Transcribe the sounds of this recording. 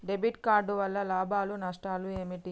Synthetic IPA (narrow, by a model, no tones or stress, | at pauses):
ɖebiʈkaːɾɖuʋɐlːɐlaːbʱaːlunɐʂʈaːlueːmiʈi